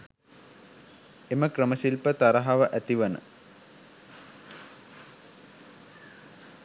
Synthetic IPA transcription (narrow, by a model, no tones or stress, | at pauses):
eməkrəməsilpət̪aɾɐɦaʋəʔæt̪iʋənə̰